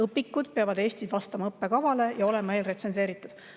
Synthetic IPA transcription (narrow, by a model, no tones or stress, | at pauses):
ɤpːikːud̪̥̚peɑvɑd̪e̞ːst̪id̪vɑst̪ɑmɑɤpːe̞kɑvɑle̞jɑo̞le̞mɑe̞ːlre̞t̪se̞nse̞ːɾit̪ːˑud̪̥